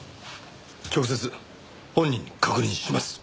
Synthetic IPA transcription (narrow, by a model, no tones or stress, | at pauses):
kʲo̞kɯ̟s̬e̞t͡sɨ | hõ̞ɲ̟ːĩɲ̟ːikʰakɯ̟ɾʲɲʲĩɕimasɨ̥